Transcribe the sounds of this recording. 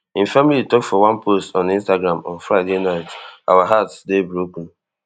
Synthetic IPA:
ɪ̃familitɔktfɔwãnpostɔ̃nĩnstaɡɾãmɔ̰̃nfɾaɪdenaɪta̰waɦatsdebɾopn̩

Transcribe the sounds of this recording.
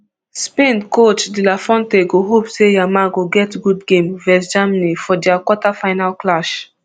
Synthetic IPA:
spẽndkot͡ʃdilafɔ̃nteɡoɦopsejamaɡoɡɛtɡudɡẽmvɛsd͡ʒamanifɔdiakwɔtafaɪnalklaʃ

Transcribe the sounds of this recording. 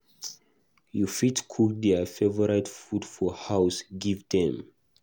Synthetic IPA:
jufitkʰuk̚dɛfɛvɔɹatfudfɔhawsɡivdɛ̃m

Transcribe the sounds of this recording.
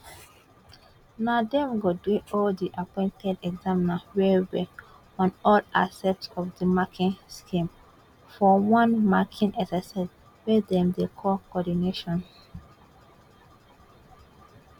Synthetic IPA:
nadɛ̃mɡodweʔɔldiʔapɔ̃ɪ̃ntʰɛdɛɡzaminawɛwɛ | ɔ̃nɔla̰sɛk̚tsɔfdəmakʰĩnskʰĩm | fɔwãnmakʰĩnʔɛsɛsas | wɛdɛ̃mdekʰɔkɔdineʃɔ̃n

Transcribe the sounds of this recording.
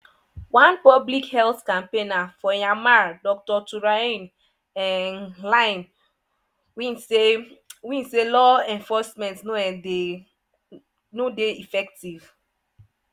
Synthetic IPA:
wãnpɔblikhɛlθkãmpenafɔjamadɔk̚tɔtuɹaĩn | ɛnlaɪn | winsewĩnselɔɛ̃ɱfɔsmɛ̃ntnode | nodeifɛk̚tiv

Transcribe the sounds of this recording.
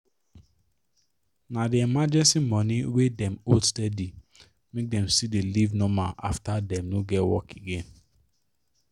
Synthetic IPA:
nadeɛmad͡ʒɛ̃nsimɔ̃niwedɛ̃mostɛdi | mek̚dɛ̃msidelivnɔ̃maʔaftadɛ̃mnoɡɛtwɔ̰keɡẽn

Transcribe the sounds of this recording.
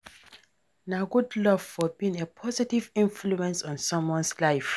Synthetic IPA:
naɡudlɔv̥fɔbĩnepʰɔzitivĩnfluɛ̃nsɔ̃nsɔ̃mwɔ̃nslaɪf

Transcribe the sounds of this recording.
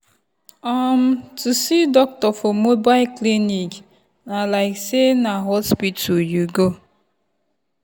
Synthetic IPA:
am̩tʰusidɔk̚tɔfɔmobaɪlklinik | nalaɪksenaɦɔspidtʰujuɡo

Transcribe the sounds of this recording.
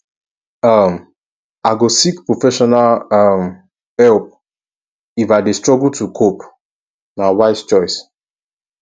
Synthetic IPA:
ʌm | aɪɡosikpɹofɛʃɔnalʌm | hɛlp̚ | ifaɪdestɹɔɡultukʰop | nawaɪst͡ʃɔɪs

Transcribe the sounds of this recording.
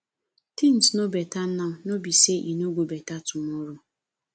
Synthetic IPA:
tin̩tnobetan̩nanobiseʔinoɡʷobetatʊmʊɾʊ

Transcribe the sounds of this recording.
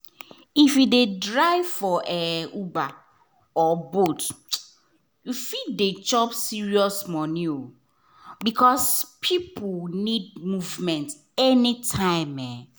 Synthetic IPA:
ifjudedɹaɪfɔʔɛuba | ɔbot | jufidet͡ʃɔpsiɹiɔsmɔnĩo | bikʰɔspʰipʰulnid̚muvmɛ̃nt | ɛnitʰãɪ̃mɛ

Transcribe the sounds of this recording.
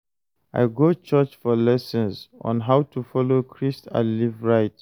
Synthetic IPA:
a̰ɪɡot͡ʃɜt͡ʃfɔlɛsə̃nsɔ̰̃nɦawtʰufɔlokʰɹista̰livɹaɪt

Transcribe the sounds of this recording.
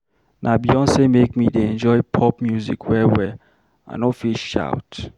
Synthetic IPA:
nʔabiɔ̃nsemek̚mideɛ̃nd͡ʒɔɪpʰɔpmjuzḭkʰwɛwɛ | a̰nɔfilʃʃa̰ʊt

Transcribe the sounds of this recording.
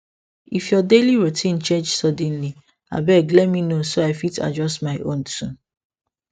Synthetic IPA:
ifjɔdeliɹotʰĩnt͡ʃɛd͡ʒsɔdɛ̃n̩li | a̰bɛklɛminosoaɪfitʰa̰d͡ʒɔstmaɪʔõ̰ntʰũ

